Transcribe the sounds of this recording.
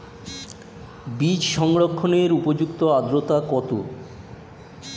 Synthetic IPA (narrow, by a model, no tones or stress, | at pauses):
bid͡ʑʃɔŋɽokʰːoneɾupod͡ʑukt̪oad̪ɾot̪akɔt̪o